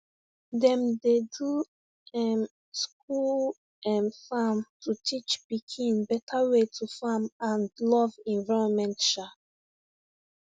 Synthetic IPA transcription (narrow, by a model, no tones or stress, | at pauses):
dɛ̃mdedu | ɛm | skul | ɛ̃mfamtʰutʰit͡ʃbikʰĩnbɛtʰawetʰufãmãnlɔvɛ̃ɱvaɪɹɔ̃nmɛ̃ntʃa